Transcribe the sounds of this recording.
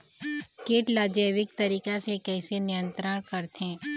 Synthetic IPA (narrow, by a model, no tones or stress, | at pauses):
keːʈlaːd͡ʒəːʋɪk̚t̪ɐɾiːkasekɛːsenɪjə̃nt̪ɾəɽ̃kɐɾt̪ɛ̃ː